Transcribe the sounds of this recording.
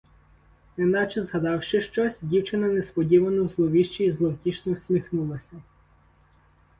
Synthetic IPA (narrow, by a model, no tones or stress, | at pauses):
inɑt͡ʃɛzɦɐd̪ɑwʃɪʃt͡ʃɔsʲdʲiwt͡ʃɪnɐnespɔdʲiʋɐnɔwzlˠɔʋʲiʃt͡ʃiːzlˠɔwtʲiʃnɔwsʲmʲixnulˠɐsʲɐ